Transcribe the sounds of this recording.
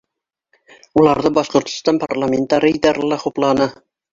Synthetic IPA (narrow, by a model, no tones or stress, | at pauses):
ulˠɑɾðɤbɑʃqŏɾt̪ŏ̥st̪ɑnparlˠamʲent̪ːɑɾəid̪ɑɾɑlˠɑχuplˠɑnɤ